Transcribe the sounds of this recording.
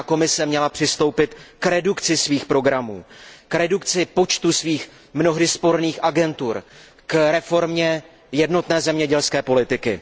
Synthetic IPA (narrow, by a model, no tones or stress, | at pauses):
ko̞mɪsɛmɲɛlapr̝̥ɪst̪owpɪt̪kɾɛdukt͡sɪsviːxpɾo̞ɡɾamṵːkɾɛdukt͡sɪpo̞t͡ʃt̪usviːx | mno̞ɦdɪspo̞ɾniːxʔaɡɛnt̪uɾ | kɾɛfo̞ɾmɲɛ | jɛdno̞t̪nɛːzɛmɲɛɟɛlskɛːpo̞lɪt̪ɪkɪ̰